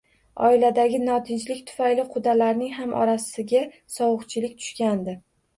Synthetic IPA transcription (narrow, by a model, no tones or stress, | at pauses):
ɒ̰ɪlad̪aɡʲɪnɒt̪ʰɪnt͡ʃlɪkʲt̪ʰʊ̥fajlɪqʰʊd̪alaɾnɪŋɦamʔɒ̰ɾasɪɡʲa | sɒwʊqt͡ʃʰɪlɪkʲt̪ʰʊ̥ʃkʲand̪ɪ